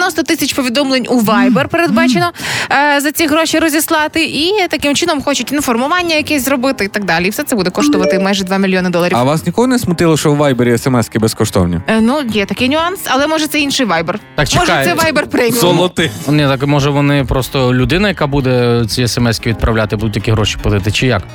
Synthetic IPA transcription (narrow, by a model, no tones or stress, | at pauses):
nɔst̪ɔt̪ɪsʲɐt͡ʃpɔʋʲid̪ɔmlˠenʲuʋɑjbɛrpeɾed̪bɑt͡ʃenɔzɐt͡sʲiɦɾoʃiɾɔzʲislˠɑt̪ɪʔit̪ɐkɪmt͡ʃɪnɔmxɔt͡ʃʊtʲnufɔrmʊʋɑnʲːɐjɐkʲɛzɾɔbɪt̪ɪit̪ɐɡ̚d̪alʲiifsɛt̪sɛbud̪ɛkɔʃt̪ɔʋɐt̪ɪmajʐɛd̪ʋɑmʲɪlʲjɔnɐd̪ɔlˠɐɾʲjɐʋasnʲikɔɦɔnɛsmʊt̪ɪlˠɔʃɔwʋajbeɾʲɪɛsɛmɛskʲɪbɛskɔʃt̪ɔ̰wnʲḭnujɛt̪ɐkʲɪjnʲʊɑnsɐlˠɛmɔʐɛt̪sɛinʃɪjʋajbɛrɑkt͡ʃmɔʒkajsɛʋajbɛrpɾɛjʲzɔlˠɔt̪ɪnʲɛt̪akmɔʒɛʋɔnɪpɾɔst̪ɔlʲʊd̪ɪnɐjɐkabud̪ɛt͡sʲiɛsɛmɛsʲkʲiʋʲid̪̚pɾɐwlʲat̪ɪbud̪ʊtʲjɐkʲiɦɾɔʃʲi̥pɐd̪ɪt̪ɪt͡ʃɪjak